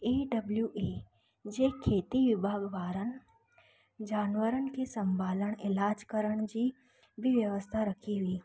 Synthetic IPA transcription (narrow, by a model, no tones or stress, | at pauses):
eːɖɐbljuʔeː | d͡ʑeːkʰeːt̪iʋɪbʱaːɡʋaːɾənɪ̆ | d͡ʑaːnʋəɾənɪ̆kʰeːsɐ̃mbʱaːləɽ̃ɪlaːd͡ʑkɐɾəɽ̃d͡ʑiː | bɪʋjəʋəst̪ʰaɾɐkʰiɦʊiː